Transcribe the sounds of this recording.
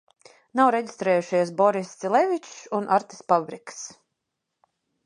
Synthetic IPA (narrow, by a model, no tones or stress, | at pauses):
nawɾeɟist̪ɾɛːjuʃiɛsbɔɾisilˠɛvʲit͡ʃunʔaɾt̪i̥spabɾiks